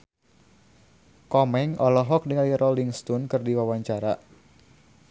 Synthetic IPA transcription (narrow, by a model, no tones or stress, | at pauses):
kɔmɛŋɔlɔɦɔk̚dəŋalirɔliŋst̪unkɨrdiwawaɲt͡ʃaɾa